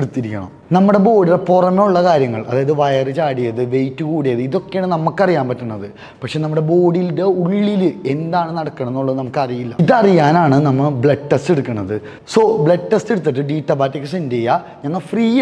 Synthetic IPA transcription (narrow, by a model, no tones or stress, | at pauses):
eɽut̪ːiɾikʲːɐ̰ɳɐ̰mnɐmːuɽe̞bo̞ːɽirepurɐmeuɭːɐkaːɾjɐŋːɐɭʔɐ̰ðaːjɐðɨʋɐjɐrɨt͡ɕaːɽijɐðɨʋe̞jtːɨkuːɽijɐðɨiðo̞kːeaɳɨnɐmːukːɐrijaːmpɐtːɐɳːɐðɨ | pɐkʂeːnɐmːuɽe̞bo̞ːɽilde̞uɭːilɨe̞nd̪aːɳɨnɐɽɐkːɐɳɐmnːoɭːɐðɨnɐmukːɐrijilːɐiðɐrijaːnaːɳɨnɐmːɐbɭɐʈːɐsteɽukːɐɳːɐðɨ | so̞ːbɭeʈːesteɽut̪ːiʈːɨɖiːʈːɐbaːtːɐkːɐsindejɐ | ɲɐŋːɐɭfriː